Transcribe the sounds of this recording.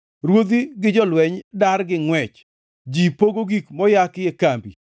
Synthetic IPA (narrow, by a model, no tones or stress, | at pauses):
ɾwod̪iɡɪd͡ʒɔlwɛɲdarɡɪŋwɛt͡ʃ | d͡ʒipoɡoɡikmɔjakɪekambḭ